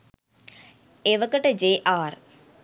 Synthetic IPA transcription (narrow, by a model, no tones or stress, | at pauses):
eʋəkəʈəd͡ʒeːʔaːr